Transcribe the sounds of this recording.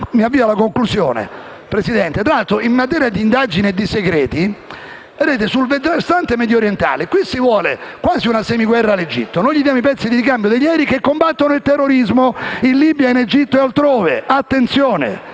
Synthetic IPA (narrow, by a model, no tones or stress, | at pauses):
miavːiːvalakoŋklusjo̰ːnḛ | pɾesid̪ɛnt̪et̪ɾalalt̪ɾoimːat̪̬ɛːɾjad̪iːnd̪ad͡ʒinied̪ːiseɡɾɛːt̪i | ed̪eːt̪̬esulved̪ɾast̪ant̪emɛːd̪joɾjent̪a̰ːlekwisivwɔːlḛkwaːziunasɛːmiɡwɛrːaled͡ʒḭt̪ːonojʎid̪jaːmoipɛt̪sːid̪iɾikambjod̪eʎːɛːɾikekːombat̪ːonoilt̪ɛrːoɾizmoinliːbjained͡ʒit̪ːoealt̪ɾoːveat̪ːent̪sjoːnḛ